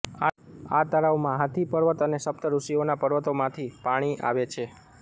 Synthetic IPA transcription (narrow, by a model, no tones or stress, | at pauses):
aa̰t̪əɾaʋmãɦat̪ʰipəɾʋət̪ənesəp̚t̪əɾuʃionapəɾʋət̪omãt̪ʰipaɽ̃iʔa̰ʋet͡ʃʰe